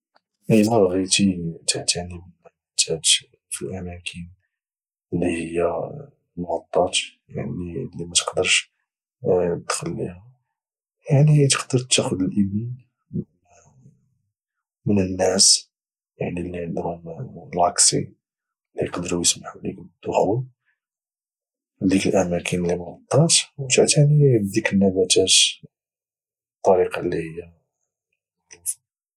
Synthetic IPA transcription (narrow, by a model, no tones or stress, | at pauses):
ʔəd̪ɣit̪it̪ʰaʕt̪æʕnim | t̪ʰæt̪ | filʔæmækʰən | əlːihəjːæ | mɣɑt̪ˤːɑt̪ja̰ʕnilːimæt̪qd̪əɾˤʃ | d̪̥xəlːḭhʊm | jaʕnit̪ə̥qd̪əɾt̪ːæxʊd̪əlʔəbni | mənənːæs | jaʕnilːid̪ɾunlʕɑksḭ | lːijqd̪əɾujəsmaħulḭkd̪ːuxlu | d̪ikəlʔæmækʰənlːimnɑt̪ˤːɑt̪wt̪aʕt̪anid̪ikənːæbæt̪æt̪ | t̪ˤːɑɾiqɑlːihəjːa | ɾuf